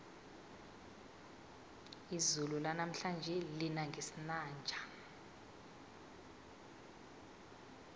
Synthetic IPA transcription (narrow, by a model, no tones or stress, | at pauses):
izululanam̩ɬand͡ʒʱɛlinaŋɡʱesinaːnd͡ʒʱḁ